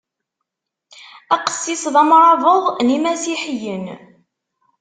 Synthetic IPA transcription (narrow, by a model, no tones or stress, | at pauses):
æqə̥sːisðˤæmɾˤɑvəðˤnimæsiħəjən